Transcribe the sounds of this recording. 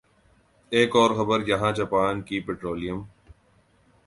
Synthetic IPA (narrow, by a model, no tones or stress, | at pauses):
eːkɔːɾxəbəɾjɐɦãːt͡ʃɐpaːnkipeʈɾoːlɪjəm